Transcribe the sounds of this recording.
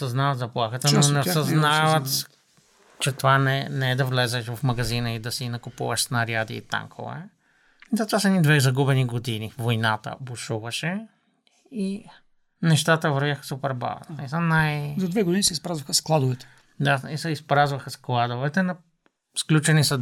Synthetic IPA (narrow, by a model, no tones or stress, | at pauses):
sɐznavɐt̪zɐplˠaxət̪ənonɛosɐznavət̪ | t͡ʃɛt̪ovanɛnɛɛd̪ɐvlɛzɛʃvɐfmɐɡɐzinəid̪ɐsinɐkʊpṵvəʃsnɐɾjad̪ḭːt̪a̰ŋkʰo̰vɛ̰ | zɐt̪vasəɛnid̪vɛzɐɡubɛniɡod̪inivojnat̪ə̰bʊʃuvəʃɛ | i | nɛʃt̪at̪əvɐɾvʲjaxə̥supɛɾba̰vnisənajzɐd̪vɛɡod̪inisɛispɾazvəxəsklˠad̪ʊvɛt̪ɛ̥ | d̪aisɛispɾazvɐxəsklˠad̪ovɛt̪ɛnɐ | sklʲut͡ʃɛnisə